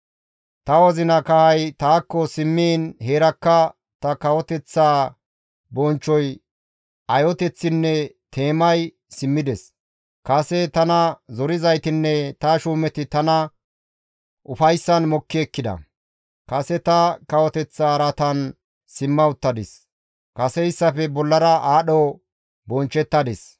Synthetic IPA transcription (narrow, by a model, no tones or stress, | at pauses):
t̪ɐwɔzɪnɐkɐhɐjt̪aːkːɔsɪmːiːnheːɾɐkːɐ | t̪ɐkɐwɔt̪ɛt͡sːaː | bɔnt͡ʃːɔj | ɐjɔt̪ɛt͡sːɪnːɛt̪ʰe̞ːmɐj | sɪmːɪd̪ɛs | kɐsɛt̪ɐnɐzɔɾɪzɐjt̪ɪnːɛt̪ɐʃuːmɛt̪ɪt̪ɐnɐ | ʔʊfɐjsːɐnmɔkːɪɛkːɪd̪ɐ̰ | kɐsɛt̪ɐkɐwɔt̪ɛt͡sːaːɾɐt̪ɐn | sɪmːɐʊt̪ːɐd̪ɪs | kɐsɛɪsːɐfɛbɔlːɐɾɐʔaːɗɔ | bɔnt͡ʃːɛt̪ːɐd̪ɛs